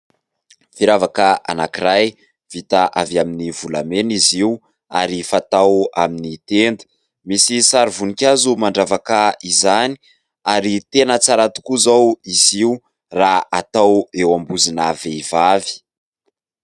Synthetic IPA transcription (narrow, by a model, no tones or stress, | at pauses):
fiɾavakəʔa̰nakiɾaj | v̥it̪aʔavjaminivulameniziu | aɾifat̪awa̰minit̪end̪ə̥ | misisaɾivunikʲazumaɳɖ͡ʐavakaizani̥ | aɾit̪enət͡saɾat̪u̥kuzawiziu | raat̪awewambuzinaveivavi̥